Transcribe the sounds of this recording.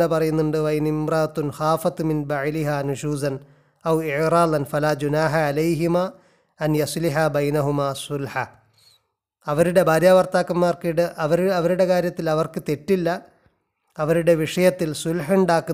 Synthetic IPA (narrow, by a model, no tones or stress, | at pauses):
epɐrɐjunːuɳɖɨʋɐinimrɐʔɐt̪ːunxaːfɐt̪ːminbɐʕliɦaːnuʃuːzɐn | ɐwɪʕɾaːðɐnfɐlaːd͡ʒunaːħaʕalɐjɦimaː | ɐnjɐsliħabɐjnɐɦumaːsʊlħa | ɐʋɐɾuɽe̞bʱaːɾjaːbɐrt̪aːkːɐmːaːrkiɽɨʔɐʋɐɾɐʋɐɾuɽe̞kaːɾjɐt̪ːilɐʋɐrkɨt̪e̞ʈːilːɐː | ʋɐɾuɽe̞ʋiʂɐjɐt̪ːilsulħuɳɖaːkːu